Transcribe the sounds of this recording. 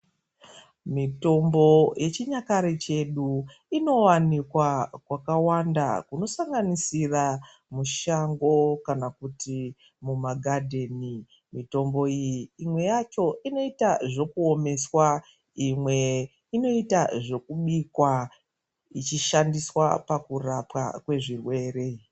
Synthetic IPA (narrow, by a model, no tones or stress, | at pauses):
mito̞mbo̞jʔe̞t͡ʃiɲakaɾet͡ʃe̞ɗu | ino̞wanikwakwakawanda̰kuno̞saŋɡanisira | muʃaŋɡo̞kanakuti | mumaɡʱadʱe̞ːni | mito̞mbo̞ijiːmwe̞jat͡ʃo̞ino̞itaʐo̞kuo̞me̞swa | imwe̞ | ino̞itaʐo̞kuɓikwa | it͡ʃiʃandiswa̰pakurapwa̰kwe̞ʐirwe̞re̞